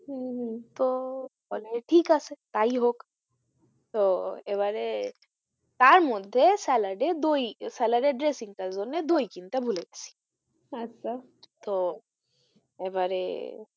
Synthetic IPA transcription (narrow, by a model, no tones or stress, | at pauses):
ɦɦt̪obɔleʈʰiːkaset̪aiɦok | t̪oebaɾe | t̪aɾmɔd̪ʱesɛləɖed̪oisɛləɖeɖɾesiŋkazonːed̪oikint̪ebʱuleɡesi̥ | ɐtːʃʰa | t̪o | ebaɾḛ